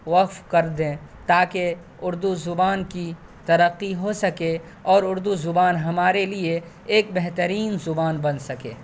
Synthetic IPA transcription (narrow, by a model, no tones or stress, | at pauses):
ʋɐqfkɐɾd̪ẽt̪aːke | ʊɾd̪uzʊbaːnki | t̪ɐɾəqːiɦosɐke | ɔːɾʊɾd̪uzʊbaːnɦɐmaːɾelie | eːk̚bɛɦt̪əɾiːnzʊbaːnbɐnsɐkḛː